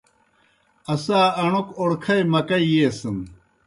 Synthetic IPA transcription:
ɐsaːɐɳokoɽkʰɐjmɐkɐijeːsɨm

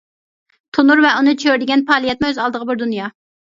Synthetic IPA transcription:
t̪ʰunuɾvɛʔunɨt͡ʃʰøɾd̪ɪɡʲɛnpʰɑːlˠijɛt̪mɪøzɑlˠd̪əʁəbɪɾd̪unjɑ

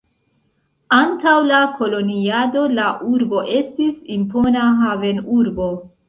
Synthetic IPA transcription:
antawlako̞lo̞niado̞laʔuɾbo̞ʔe̞stisimpo̞naɦave̞nuɾbo̞

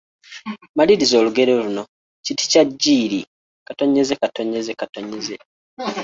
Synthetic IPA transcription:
maliɾizo̞ːluɡe̞ɾoluno̞ | citi̥caɟːiːɾi | kato̞ɲezekato̞ɲe̞zekatoɲeze

